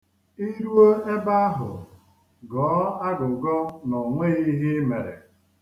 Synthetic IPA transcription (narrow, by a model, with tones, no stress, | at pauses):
i˦ɾu˦o˦e˦ba˦a˦ɦʊ̰˨ | ɡɔː˨˦a˦ɡʊ˨ɡɔ˦nʊ˨ŋʷe˦i˦ɦi˦me˨ɾḛ˨